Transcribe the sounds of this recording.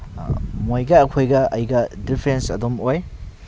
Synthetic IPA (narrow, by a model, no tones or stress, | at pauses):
mojɡɐːkʰojɡɐɐ̰jɡɐdipʰɾensɐ̰domoj